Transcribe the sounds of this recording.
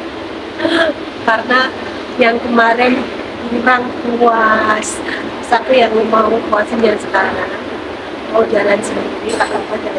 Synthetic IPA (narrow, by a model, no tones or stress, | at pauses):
karəna | jaŋkəmaɾɛn | uɾaŋkuas | sak̪ujaŋlomaukuasanjansə̥kaɾaŋ | aod͡ʒalansəaikakapad͡ʒa